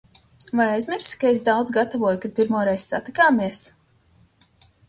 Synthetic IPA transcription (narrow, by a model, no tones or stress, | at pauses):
vajajzmʲiɾskaesd̪awd̪zɡat̪avuɔjukad̪̚pʲiɾmuɔɾɛjz̥sa̰t̪ikaːmiɛs